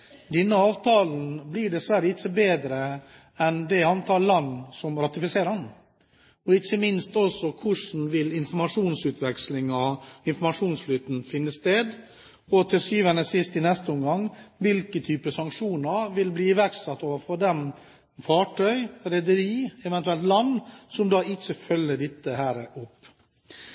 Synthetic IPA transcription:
d̪ɛnːəɑːʋt̪ʰɑːln̩bliːɖɛsʋæɾjəɪçːəbeːd̪ɾə | ɛnd̪ɛɑnt̪ʰɑːɾlɑnːsɔmɾɑt̪ɪfɪseːɾəɑn | ɔɪçːəmɪnst̪ɔsɔkʰʊʂn̩ʋɪlɪnfɔɾmɑʂuːnsʉːt̪ʰʋɛkslɪŋɑɪnfɔɾmɑʂuːnslyːt̪n̩fɪnːəst̪eːd̪ | ɔt̪ʰɪsyːʋənəsɪst̪ɪnɛst̪əɔmɡɑŋːʋɪlkət̪ʰyːpəsɑŋkʂuːnəʋɪlbliːɪʋæɾksɑt̪ːoːʋəɾfɔd̪ɛm | fɑːʈʰœʏɾɛd̪əɾiːɛʋɛnt̪ʉɛlt̪lɑnːsɔmd̪ɑːɪçəfœlːəɖɪt̪ːəɦæːɾəʔɔpː

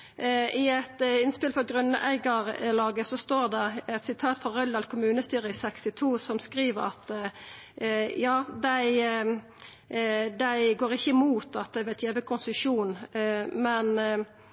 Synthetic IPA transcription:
ɪɛt̪ɪnspɪlfɔɡʁœnːəʔæ̰ɪɡəʁlɑːɡəsɔst̪oːʁd̪ɛʁɛt̪sɪt̪ʰɑːt̪fɔʁœld̪ɑlkʰʊmʉːnəst̪yːʁəɪsɛkst̪ɪt̪ʰuːsɔmskʁiːʋəɾɑ̰t̪ | jɑːd̪æɪ | d̪æɪɡoːʁɪçːəmuːt̪ɑt̪̚d̪æɪʋæt̪jeːʋəkʰʊnsəʂuːnmɛn

